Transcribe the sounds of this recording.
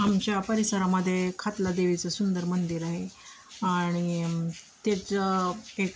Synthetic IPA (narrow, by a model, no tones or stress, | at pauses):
amt͡ɕjapəɾisəɾaməd̪ʱːjekʰat̪lad̪eʋit͡səsund̪əɾmənd̪iːɾaɦe | aɽ̃it̪et͡səek